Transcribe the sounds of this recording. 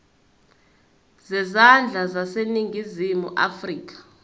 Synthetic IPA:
zɛzand͡ɮʱazaseniŋɡʱizimṵʔa̰friːk̬ʼḁ

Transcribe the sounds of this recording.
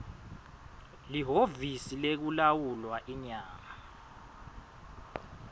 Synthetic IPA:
liɦovisilek̬ulawulwaʔiɲaːma

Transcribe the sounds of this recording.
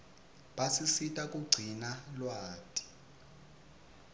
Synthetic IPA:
ɓasisitʼakʼuɡ͡ǀʱinalwaːtʼi̥

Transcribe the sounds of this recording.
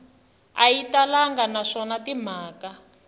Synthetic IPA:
aitalaŋɡanaʂɔnatim̤aːka

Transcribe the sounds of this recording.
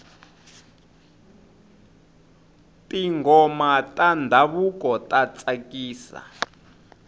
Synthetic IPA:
tiŋɡɔmatʼandʱaβukʼɔtʼat͡sʼakiːsa̰

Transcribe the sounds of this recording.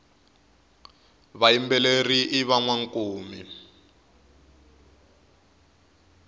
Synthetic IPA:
βaimbɛleriʔiβaŋwaŋkoːmi

